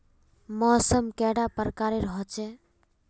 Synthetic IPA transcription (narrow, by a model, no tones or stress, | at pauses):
mɔːsəmkɛɽapəɾkaɾeɾəɦɔt͡ʃe